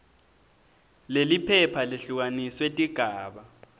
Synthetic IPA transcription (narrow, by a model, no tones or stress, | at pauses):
lelipʰɛpʰaleɬuk̬aniswetʼiɡ̥ʱaːɓa